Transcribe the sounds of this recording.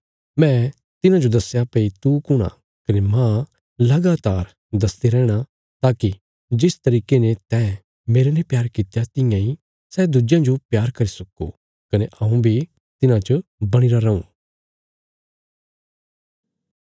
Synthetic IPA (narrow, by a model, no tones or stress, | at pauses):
mɛ̃ | t̪ɪnãd͡ʒod̪ɐsːjapeit̪ukʊɽ̃a̰ | kɐnemã | lɐɡaːt̪aːɾ | d̪ɐst̪iɾɛːɽ̃a | t̪aːki | d͡ʒɪst̪ɐɾiːkenet̪ɛː | meːɾenepjaːɾkɪt̪jat̪ɪ̃jãi | sɛːd̪ʊd͡ʒjãd͡ʒopjaːɾkɐɾisɐkṵ | kɐneʔɐ̃ũbʱi | t̪ɪnãt͡ʃəbɐɽ̃ɪɾaɾɐṵ̃ː